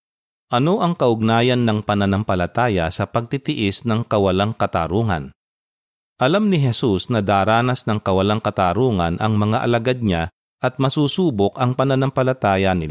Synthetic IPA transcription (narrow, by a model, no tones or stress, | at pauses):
ʔɐno̞ʔɐŋkɐʔʊɡ̚naːjɐnːɐŋpɐnɐnampɐlɐt̪aːjɐ̰sɐpɐɡ̚t̪ɪt̪ɪʔɪsnɐŋkɐwɐlaŋkɐt̪a̰ːɾuːŋɐ̰n | ʔɐlamnɪɦɛsusnɐd̪aːɾaːnɐsnɐŋkɐwɐlaŋkɐt̪aːɾuːŋɐ̰nʔɐŋmɐŋaʔɐ̰lɐɡad̪̚ɲa | ʔɐt̪̚mɐsuːsuːbokʔɐŋpɐnɐnɐmpɐlɐt̪aːjɐnɪl